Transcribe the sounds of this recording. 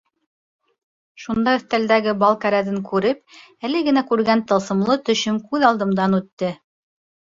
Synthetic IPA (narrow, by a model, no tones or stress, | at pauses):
ʃund̪ɑɵ̆θt̪æld̪æɡɘbɑlˠkæɾæðɘŋkʉɾɘp̚ | ælɘɡɘ̆nækʉɾɡænt̪ɤ̆lˠsɤ̆mlˠɤt̪ɵ̆ɕɵmkʉðɑlˠd̪ɤ̆md̪ɑnʉt̪ːɘ